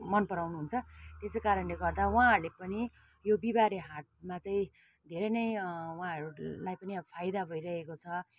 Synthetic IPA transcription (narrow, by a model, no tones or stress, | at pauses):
mʌnpʌɾawnuɦunt͡sʰʌt̪esokaɾʌnleɡʌrd̪awaãɦʌɾulepʌni | jobibaɾiɦaʈ̚mat͡saĩ | d̪ʱeɾʌjnʌjwãʌɾulajpʌniʌpʰajd̪abʱʌjɾʌɦekot͡sʰʌ